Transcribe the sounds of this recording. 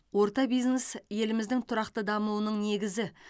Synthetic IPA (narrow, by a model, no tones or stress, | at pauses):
wo̞ɾt̪ɑbijznesje̞lɪmɪzd̪ɪŋt̪ʰʊɾɑqt̪əd̪ɑmuwənəɴne̞ɡʲɪzɪ